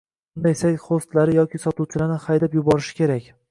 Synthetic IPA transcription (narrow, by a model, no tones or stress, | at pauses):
ʊnd̪ajsakʲχost̪laɾɪjɒkʲɪsɒt̪uwt͡ʃʰɪlaɾnɪχajd̪apjʊbɒɾɪʃɪ̥kʲe̞ɾakʲ